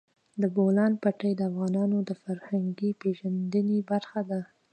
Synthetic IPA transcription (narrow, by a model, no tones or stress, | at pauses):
d̪əbolɑnpaʈajd̪əafɣɑnɑnod̪əfaɾhaŋɡipeʒand̪ənebaɾxad̪a